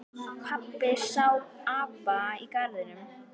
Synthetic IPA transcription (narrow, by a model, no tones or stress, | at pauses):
kʰapːɪsawaːpaikaɾðɪnʏm